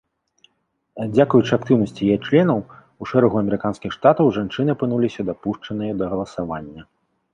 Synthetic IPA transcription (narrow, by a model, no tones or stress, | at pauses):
d͡zʲakujut͡ʂɨak̚t̪ɨwnɐsʲt͡sʲijɛt͡ʂlʲɛnɐw | uʂɛɾɐɣuɐmʲɛɾɨkanskʲixʂt̪at̪ɐwʐant͡ʂɨnɨɐpɨnulʲisʲɐd̪apuʂt͡ʂɐnɨjɐd̪ɐɣɐlˠɐsavanʲːɐ